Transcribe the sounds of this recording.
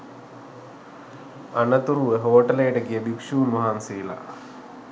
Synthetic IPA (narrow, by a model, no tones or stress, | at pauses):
ɐɳɐt̪ːurueɦoːʈːɐleːʈɐkːijɐbikʂuːnmɐɦaːnsiːlɐ̰